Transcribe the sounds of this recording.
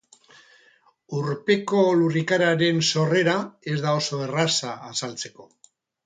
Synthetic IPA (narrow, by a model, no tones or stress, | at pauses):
uɾpe̞ko̞lurikaɾaɾe̞nso̞re̞ɾae̞zd̪ao̞so̞erasaːsalt͡se̞ko̞